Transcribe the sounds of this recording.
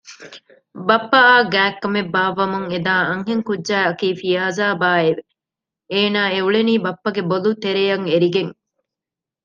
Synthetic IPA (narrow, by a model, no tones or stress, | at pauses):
bɐpːɐaːɡæːkːɐmebːaːʋɐmuŋed̪aːɐŋɦeŋkudːʒæːɐkiːfijaːzaːbaːeʋe | eːnaːeuɭeniːbɐpːɐɡebolut̪eɾejɐŋeɾiɡeŋ